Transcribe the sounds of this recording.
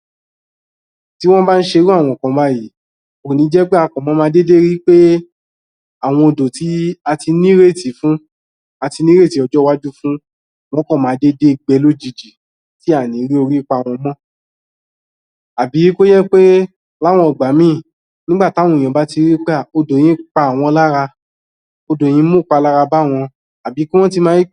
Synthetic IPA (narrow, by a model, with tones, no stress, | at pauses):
ti˦w̃ɔ̃˦ba˦n̩˦ʃe˧ɾu˦a˦˨w̃ɔ̃˧˨kɔ̃˨ba˦ji˨˦ | o˨nĩ˨˦d͡ʒɛ˦ɡ͡ba˦a˧kɔ̃˨mɔ̃˨˦mãː˧˦de˦de˦ɾi˦k͡pe˦ | a˦˨w̃ɔ̃˧o˧do˨ti˨˦a˧ti˧nĩ˦ɾe˦˨ti˨˦fũ˦ | a˧ti˧nĩ˦ɾe˦˨ti˨˦ɔ˧d͡ʒɔ˦wa˦d͡ʒu˦fũ˦ | w̃ɔ̃˦kɔ̃˦˨mã˨˦de˦de˦ɡ͡bɛ˧˦lo˦d͡ʒi˧˨d͡ʒi˨ | ti˦a˦˨nĩ˨˦ɾi˦o˧ɾi˦k͡pa˧˨w̃ɔ̃˧˦mɔ̃˦ | a˨bi˨˦ji˦ko˦jɛ˦k͡pe˦ | la˦˨w̃ɔ̃˧ɔ˨ɡ͡ba˨˦mĩː˦˨ | nĩ˦ɡ͡ba˦˨tã˨˦ũ˧˨ɔ̃˨ba˨˦ti˧ɾi˦k͡pa˦˨o˧do˨j̃ĩ˨˦k͡pa˧a˨w̃ɔ̃˧la˦ɾa˧ | o˧dõ˨ĩ˨˦mõ˦˨k͡pa˧la˦ɾa˧ba˦˨w̃ɔ̃˧ | a˨bi˨˦ki˦w̃ɔ̃˦ti˧mãː˧˦